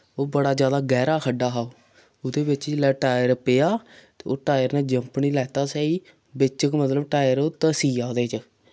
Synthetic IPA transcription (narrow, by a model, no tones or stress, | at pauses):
oːbəɽaːd͡ʒjaːd̪aːɡɛːɾaːkʰəɖːaːɦaːoː | ʊd̪eːbɪt͡ʃlɛːʈaːjəɾpeːaːt̪eːoːʈaːjəɾneːd͡ʒəmpɳiːlɛːt̪aːsɛːiː | bɪt͡ʃəkmət̪ləbʈaːɪjəɾot̪əsiːaːd̪eːt͡ʃə